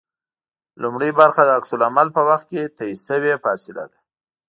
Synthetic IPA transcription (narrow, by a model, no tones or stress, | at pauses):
lʊmɽəjbaɾxad̪əaksʊlamalpəwaxt̪̚ket̪aisəwefɑsɪla̰d̪a